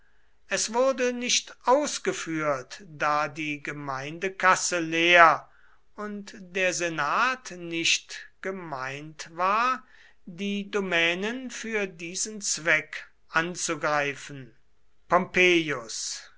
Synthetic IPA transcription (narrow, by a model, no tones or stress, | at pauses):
ʔɛsv̥ʊɐdənɪʃtʔaʊsɡ̥əfyːɐtd̥aːdiːɡəmaɪndəkasəleːɐ | ʊntd̥eːɐzenaːtnɪʃtɡ̥əmaɪntvaːɐ | diːdomɛːnənfyːɐdiːzənt͡sv̥ɛk | ʔant͡suɡʁaɪfən̩ | pɔmpeːjʊs